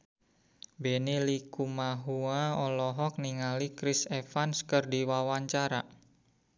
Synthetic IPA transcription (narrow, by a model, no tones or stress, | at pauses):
benilikumaɦuaɔlɔɦɔk̚niŋalikɾisefanskərdiwawaɲt͡ʃaɾa